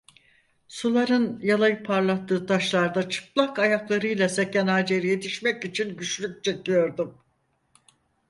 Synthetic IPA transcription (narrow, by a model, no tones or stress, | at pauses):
sulˠaɾɯnjalˠajɯpʰaɾlˠat̪ʰːɯːt̪ʰaʃlˠaɾd̪at͡ʃʰɯ̥plˠakajaklˠaɾɯjlˠase̞cænaːd͡ʒe̞ɾije̞t̪ʰiʃmɛcit͡ʃʰinɟyt͡ʃlʲyc̚t͡ʃʰe̞cijo̞ɾd̪um